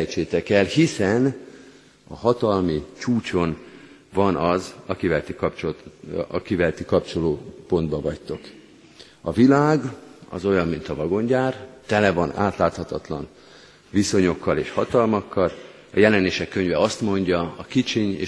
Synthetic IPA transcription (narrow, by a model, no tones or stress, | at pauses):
jt͡ʃeːt̪ɛkɛlhisɛn | ɒ̰hɒt̪ɒlmit͡ʃuːt͡ʃo̞n | vɒnɒzɒkivɛlt̪ikɒpt͡ʃo | kivɛlt̪ikɒpt͡ʃo̞loːpo̞nd̪bɒvɒct̪o̞k | ɒvilaːɡɒ̰zo̞jɒmːint̪ɒvɒɡo̞ɲɟaːrt̪ɛlɛvɒna̰ːt̪laːt̪hɒt̪ɒt̪lɒn | viso̞ɲo̞kːɒleːʃhɒt̪ɒlmɒkʰːɒl | ɒjɛlɛneːʃɛkːø̞ɲvɛɒst̪mo̞ɲɟɒɒkit͡ʃiɲḛː